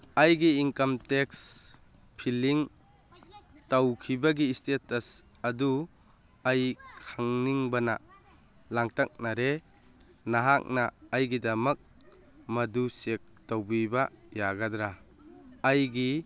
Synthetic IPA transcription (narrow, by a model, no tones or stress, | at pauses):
ɐjɡiːŋkɐmteks | pʰiliŋ | tawkʰibaɡistetɐs | ɐdu | ajkʰaŋniŋbana̰ | laŋtak̚naɾe | naɦak̚naːjɡidɐmɐk̚ | mɐdusek̚tawbibajaɡadɾaː | jɡi